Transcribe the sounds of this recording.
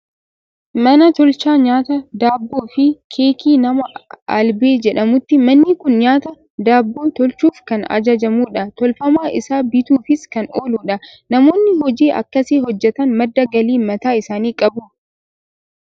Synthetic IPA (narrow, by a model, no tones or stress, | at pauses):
mɐnɐt̪ɔlt͡ʃaːɲaːt̪ɐd̪aːbːoːfɪkʰeːkiːnɐmɐɐ̰lbe̞ːd͡ʒɛᶑɐmʊt̪ːɪmɐnːɪkʊnɲaːt̪ɐ | d̪aːbːoːt̪ɔlt͡ʃuːfkɐnɐ̰d͡ʒɐd͡ʒɐmuːᶑɐt̪ɔlfɐmaːʔɪsaːbɪt̪uːfɪskɐnoːluːᶑɐnɐmo̞ːnːɪhɔd͡ʒiːʔɐ̰kːɐseːhɔd͡ʒːɛt̪ɐnmɐd̪ːɐɡɐliːmɐt̪aːɪsaːniːkʼɐbʊ